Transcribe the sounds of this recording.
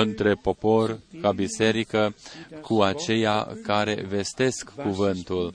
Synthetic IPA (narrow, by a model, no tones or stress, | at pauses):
ɨnt̪ɾe̞po̞po̞rkabise̞ɾikəkuat͡ʃe̞ja̰kaɾe̞̰ve̞st̪e̞skːuvɨnt̪ul